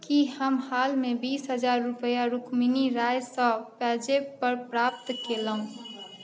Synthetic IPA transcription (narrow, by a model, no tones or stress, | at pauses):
kihəmhaːlmẽbiːsɦəd͡ʒaːɾːupəjaɾukʰminiɾaːjsə̃pɛd͡ʒepəɾpɾaːp̚t̪keləɦũ